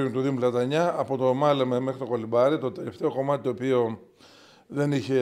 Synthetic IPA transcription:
unt̪uðimulɐt̪ɐɲɐːpo̞t̪o̞mɐlomeme̞xɾit̪o̞kolibɐɾit̪o̞t̪e̞le̞ft̪e̞o̞ko̞mɐt̪i̥t̪oːpio̞ | ðe̞niçe̞

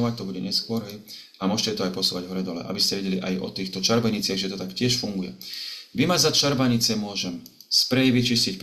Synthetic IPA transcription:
ɔʋac̚t̪ɔbuɟɛɲɛskʊɔɾɦɛj | amʊɔʒcɛt̪ɔajpɔsuːʋaɟɦɔɾɛd̪ɔlɛ̰ʔa̰biscɛʋɛɟɛliʔa̰jɔ̰t̪iːxt̪ɔt͡ʃaɾbaɲit͡sɪaɣʒɛt̪ɔt̪akcɪɛʃfuŋɡujɛ̰ʋimazat͡ʃaɾbaɲit͡sɪɛmʊɔʒɛm | spɾɛjʋit͡ʃiscicp

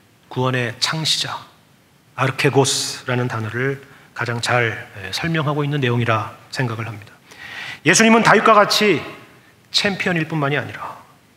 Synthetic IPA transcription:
kuwʌne̞t͡ɕʰaŋɕʰi̥d͡ʑaː | ɾʌkʰe̞ɡosɾanɯntanʌɾɯɭ | kad͡ʑaŋt͡ɕaɭesʰʌɭmjʌŋɦaɡoinːɯnːe̞joŋiɾasʰe̞ŋɡaɡɯɭhamɲid̥ḁje̞sʰuɲimɯntajuk͈aɡat͡ɕʰi | t͡ɕʰe̞mpʰiʌɲiɭp͈unmaɲiaɲiɾa

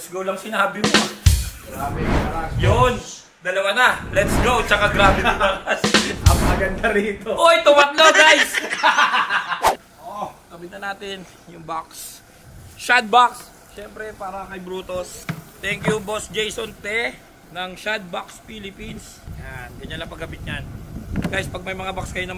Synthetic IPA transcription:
lɛt̪sɡowlɐŋsɪnɐhabɪmoɡɾaːbɛɐajon | d̪ɐlɐwanɐlɛt̪sɡowt͡ʃɐkaɡɾaːbɛɐɐkasɐŋmɐɡɐnd̪aɾiːt̪oʔoɪt̪owɐt̪̚loɡajs | ʔokɐbɪnɐnaːt̪ɪn | jʊŋbaks | ʃad̪̚baks | ʃɛmpɾɛpaːɾɐkɐjbɾuːt̪ost̪ɛŋkjubosd͡ʒejsont̪ɛ | nɐŋʃad̪̚bakspilɪpins | ɐjanɡɐɲːɐlɐpɐɡ̚ɐbɪt̪̚ɲanɡajspɐɡ̚mɐjmɐŋabakskɐjonɐm

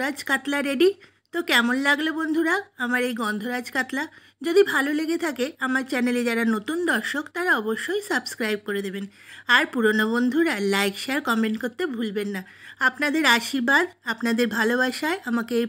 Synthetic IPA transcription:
ɾad͡ʑkat̪laɾeɖi | t̪okɛmonlaɡlobond̪ʱuɾaamaɾejɡɔnd̪ʱoɾad͡ʑkat̪la | d͡ʑod̪ibʱaloleɡet̪ʰakeamaɾt͡ɕɛneled͡ʑaɾanot̪und̪ɔɾʃokt̪aɾaɔboʃːojsəbskɾajb̚koɾed̪ebenaɾpuɾonobond̪ʱuɾalajkʃeaɾkɔmẽɳʈkoɾt̪ːebʱulbenːa | apnad̪eɾaʃibad̪apnad̪eɾbʱalobaʃaeamakeej

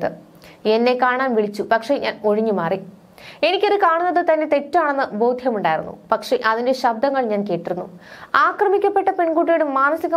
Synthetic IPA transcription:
ðɨ̰ | e̞nːe̞kaːɳaːnʋiɭit͡ɕːupɐkʂe̞ɲa̰ːno̞ɻiɲːumaːri | e̞nikʲːoðɨkaːɳunːɐðɨt̪ɐnːe̞t̪e̞tːuaːɳenːɨboːd̪ʱjɐmuɳɖaːjiɾṵnːṵpɐkʂe̞ʔɐðinde̞ɕɐb̚d̪ʱɐŋːɐɭɲaːnke̞ːʈːiɾunːuaːkrɐmikʲːɐpːe̞ʈːɐpe̞ɳɡuːʈ̬ːijoɽumːaːnɐsiɣɐ

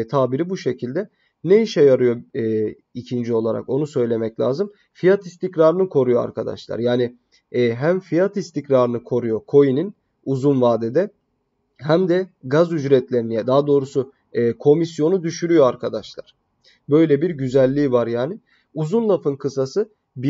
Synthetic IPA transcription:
t̪ʰaːbiɾibuʃe̞cʰilʲd̪ɛ | neiʃɛjaɾɯjo̞ɛ | icʰind͡ʒio̞lˠaɾa̰ko̞nusø̞jlʲe̞mɛclʲa̰ːzɯm | fijat̪ist̪ʰicɾaːɾɯnɯkʰo̞ɾujoa̰ɾkʰad̪a̰ʃlˠa̰ɾjaːnɪː | ɦæmfijat̪ist̪ʰicɾaːɾɯnɯkʰo̞ɾujo̞kʰo̞jinin | uzunvaːd̪ɛd̪ɛ | ɦæmd̪ɛɡazyd͡ʒɾɛt̪lʲe̞ɾinijɛd̪aːd̪o̞ːɾusu | kʰo̞misjo̞nud̪yʃyɾyjo̞aɾkʰad̪aʃlˠa̰ɾ̥ | bø̞jlʲɛbiɾɟyzælʲːiːvaɾjaːnɪ | uzunlˠafɯnkʰɯsasɯ | b

